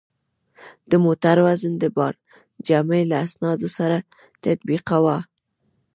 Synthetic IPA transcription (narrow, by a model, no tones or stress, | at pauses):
d̪̥əmot̪aɾwazənd̪əbɑɾ | d͡ʒaməlaːsnɑd̪osaɾa | t̪at̪̚biqawa